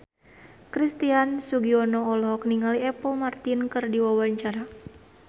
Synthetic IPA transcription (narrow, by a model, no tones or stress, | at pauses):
kɾist̪iansuɡiɔnɔːlɔɦɔk̚niŋaliɛpəlmart̪inkɨrdiwawaɲt͡ʃaɾa